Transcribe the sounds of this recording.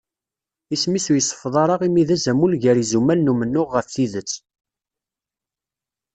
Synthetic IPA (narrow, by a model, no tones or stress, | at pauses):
ismisujəsˤːə̥fðˤɑɾˤɑʁimiðæzæmulʝæɾizumælnumənːʊʁːəfθiðət͡sː